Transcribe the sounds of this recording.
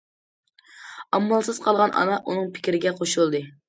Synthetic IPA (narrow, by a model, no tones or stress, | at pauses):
ɑmːɑlˠsɨz̥qʰɑlˠʁɑnʔɑ̰nɑʔunɨŋpʰɪ̥kʲɾɪɡʲɛqʰoʃulˠd̪ɨ